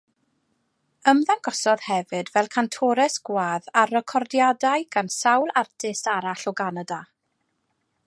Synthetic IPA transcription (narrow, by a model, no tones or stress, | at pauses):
əmðanɡ̥ɔsɔðhɛvɨdvɛlˠkʰantʰɔɾɛsɡ̥waːðarəkʰɔrdjadajɡ̥ansawlˠartʰɪstaɾaɬɔɡanada